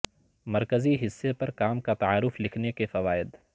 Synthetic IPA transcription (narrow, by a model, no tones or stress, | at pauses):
mɐɾkəziɦɪsːepɐɾkaːmkat̪ɐaːɾʊflɪkʰnekefɐʋaːɪd̪